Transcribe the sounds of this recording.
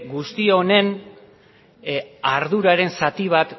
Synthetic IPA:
ɡust̪io̞ne̞n | aɾðuɾaɾe̞nsat̪iβ̞at̪

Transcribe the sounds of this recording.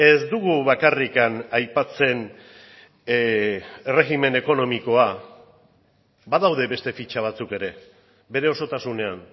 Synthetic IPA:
e̞zd̪uɣuβakarikanajpat͡se̞n | re̞ɣime̞ne̞ko̞no̞miko̞a | baðawð̞e̞βe̞st̪e̞fit͡ʃaβ̞at͡suke̞ɾe̞ | be̞ɾe̞o̞so̞t̪asune̞an

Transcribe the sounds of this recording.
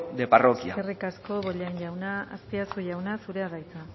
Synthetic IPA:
d̪eparokiaerikasko̞βo̞ʎanʝawnaːst̪iasuʝawnasuɾe̞aðajt͡s̪a

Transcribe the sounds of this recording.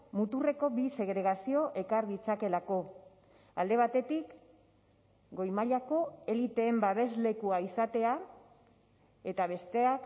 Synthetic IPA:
mut̪ure̞ko̞bise̞ɣ̞ɾe̞ɣ̞asio̞ʔe̞kaɾðit͡sake̞lako̞ | a̰ld̪e̞β̞at̪e̞t̪ik | ɡo̞jmaʎako̞e̞lit̪e̞ːmbaβe̞zle̞kuaisat̪e̞a | e̞t̪aβ̞e̞st̪e̞ak

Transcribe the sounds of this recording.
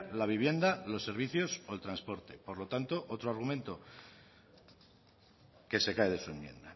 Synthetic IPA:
laβiβ̞je̞nd̪alo̞sːe̞ɾβ̞iθjo̞so̞elt̪ɾanspo̞ɾt̪e̞poɾlo̞t̪ant̪o̞ʔo̞t̪ɾoaɾɣumẽ̞nt̪o | ke̞se̞kaeð̞e̞sue̞mje̞̰nd̪a

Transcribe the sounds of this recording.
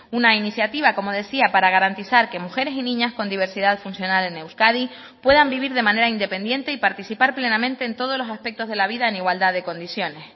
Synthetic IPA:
unainiθjat̪iβ̞ako̞mo̞ð̞e̞siapaɾaɣ̞aɾant̪iθaɾke̞muxe̞ɾe̞sinĩɲasko̞nd̪iβ̞e̞ɾsiðaðfunsjo̞nale̞ne̞wskaði | pwe̞ðambiβiɾðe̞mãne̞ɾaind̪e̞pe̞nd̪je̞nt̪e̞ipaɾt̪iθipaɾple̞namẽnt̪e̞ːnt̪o̞ð̞o̞zlo̞saspe̞k̚t̪o̞zðe̞laβiðaeniɣwald̪aðe̞ko̞nd̪isjo̞nes

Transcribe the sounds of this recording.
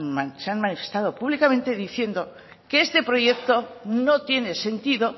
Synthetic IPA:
aseanmanife̞st̪að̞o̞puβlikamẽ̞nt̪e̞ðiθje̞nd̪o̞ | keest̪e̞pɾo̞ʝe̞k̚t̪o̞no̞t̪je̞ne̞se̞nt̪iðo̞

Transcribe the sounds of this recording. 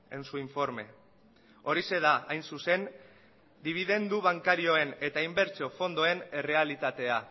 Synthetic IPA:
ensuiɱfo̞ɾme̞ | o̞ɾise̞ð̞aajnsuse̞n | d̪iβ̞iðe̞nd̪uβaŋkaɾio̞e̞ne̞t̪aimbe̞ɾt͡ʃo̞fo̞nd̪o̞e̞ne̞re̞alit̪at̪e̞a

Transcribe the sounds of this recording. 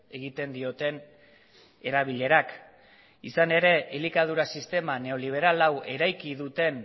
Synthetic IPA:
e̞ɣit̪e̞nd̪io̞t̪e̞n | e̞ɾaβ̞iʎe̞ɾak | isane̞ɾe̞elikað̞uɾasist̪e̞mane̞o̞liβ̞e̞ɾalawe̞ɾajkiðut̪e̞n

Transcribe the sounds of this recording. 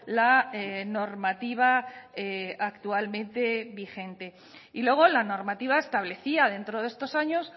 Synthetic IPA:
laeno̞ɾmat̪iβ̞aeakt̪ualmẽ̞nt̪e̞βixe̞nt̪e̞ | ilwe̞ɣ̞o̞lano̞ɾmat̪iβ̞aest̪aβle̞θiaðe̞nt̪ɾoð̞e̞st̪o̞saɲo̞s

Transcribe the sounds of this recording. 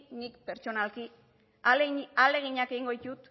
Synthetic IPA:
nikpe̞ɾt͡ʃo̞nalki | ale̞ɣ̞iɲakeiŋɡojt̪ut̪

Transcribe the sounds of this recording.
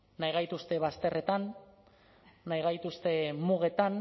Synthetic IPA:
najɣajt̪ust̪e̞βast̪e̞rʔe̞t̪an | ajɣ̞ajt̪ust̪e̞muɣ̞e̞t̪an

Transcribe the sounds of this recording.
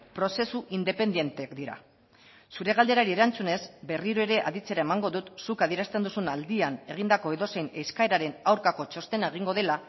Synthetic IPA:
pɾo̞se̞suʔind̪e̞pe̞nd̪je̞nt̪ekd̪iɾa̰ | suɾe̞ɣald̪e̞ɾaɾie̞ɾant͡sune̞zbe̞riɾo̞e̞ɾe̞ʔa̰ðit͡se̞ɾae̞maŋɡo̞ðut̪sukaðie̞ɾast̪e̞nd̪usunald̪iane̞ɣ̞ind̪ako̞e̞ðo̞se̞jne̞skae̞ɾaɾe̞nawɾkako̞t͡ʃo̞st̪e̞nae̞ɣ̞iŋɡo̞ð̞e̞la

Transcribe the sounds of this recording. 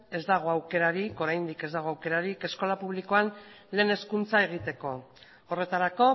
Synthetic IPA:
e̞zd̪aɣ̞o̞awke̞ɾaɾiko̞ɾajnd̪ike̞zd̪aɣ̞o̞awke̞ɾaɾike̞sko̞lapuβ̞liko̞an | le̞ːne̞skunt͡sae̞ɣ̞it̪e̞ko̞ː | re̞t̪aɾako̞

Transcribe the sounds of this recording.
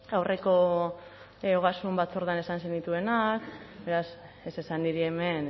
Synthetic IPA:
awre̞ko̞ | oɣasumbat̪t͡so̞ɾðane̞sansenit̪ue̞nakbe̞ɾas | e̞se̞sand̪iɾie̞me̞n

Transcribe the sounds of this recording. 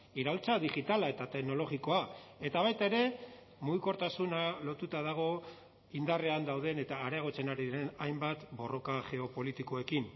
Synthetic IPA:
iɾalt͡saðiʝit̪alae̞t̪at̪e̞kno̞lo̞ɣiko̞ae̞t̪aβ̞ajt̪ae̞ɾe̞ | muɣiko̞ɾt̪asunalo̞t̪ut̪að̞aɣ̞o̞ | ind̪are̞and̪awðe̞ne̞t̪aːɾeaɣ̞o̞t͡se̞naɾiðiɾe̞najmbat̪bo̞ro̞kaʝe̞o̞po̞lit̪iko̞e̞kin

